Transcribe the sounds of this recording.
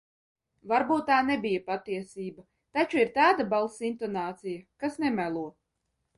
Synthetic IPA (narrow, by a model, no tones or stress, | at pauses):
vaɾbuːt̪ːaːnɛbijapat̪ːiɛsiːba | t̪at͡ʃuiɾt̪aːd̪abalˠsint̪ɔnaːt̪sijakasnɛmælˠuɔ